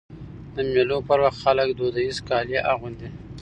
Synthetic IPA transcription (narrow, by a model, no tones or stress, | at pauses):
d̪əmelopəɾwaxt̪xaləkd̪od̪aizkɑljeʔaɣʊnd̪i